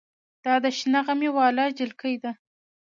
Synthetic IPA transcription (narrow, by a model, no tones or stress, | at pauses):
d̪̥ɑd̪əʃnaʁamewɑlɑd͡ʒɪlkəjd̪a